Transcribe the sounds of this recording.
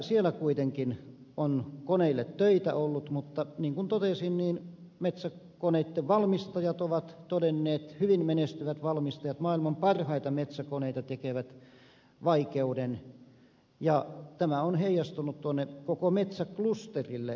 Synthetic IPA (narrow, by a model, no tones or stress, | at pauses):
sielækuit̪eŋkin | onkoneilːet̪tøit̪æ̰olːut̪mut̪ːɑniːŋkunt̪ot̪esinniːn | met̪sækoneit̪ːeʋʋɑlmist̪ɑjɑt̪oʋɑt̪t̪odenːeːt̪hyʋinmenest̪yʋæt̪ʋɑlmist̪ɑjɑt̪mɑːilmɑmpɑrhɑit̪ɑmet̪sækoneit̪ɑt̪ekeʋæt̪ | ʋɑikeuden | jɑt̪æmæonheijɑst̪unut̪t̪uonːekokomet̪sæklust̪erilːe